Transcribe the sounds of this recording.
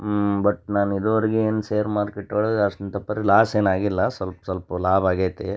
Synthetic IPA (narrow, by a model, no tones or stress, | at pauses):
bɐʈnaːnid̪ʋɐɾiɡeeːnseːɾmaːɾkeʈːɐɭɐdɐʂʈɐnt̪ɐpːɐɾelaːseːnaːɡilːɐsʋɐlpsʋɐlpɐlaːbaːɡeːt̪ːe